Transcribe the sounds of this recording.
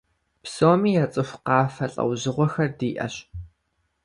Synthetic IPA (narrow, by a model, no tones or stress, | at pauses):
psoːmiːjat͡sʼɨxʷqɑːfɐɬʼɐ̰wʑɪʁʷɔxɐrdiːʔɐ̰ɕ